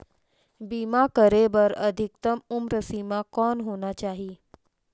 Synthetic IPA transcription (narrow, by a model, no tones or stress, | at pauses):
bimakəɾebəɾə̰d̪ʱik̚t̪əmumɾəsimakɔnɦonat͡ɕaːɦi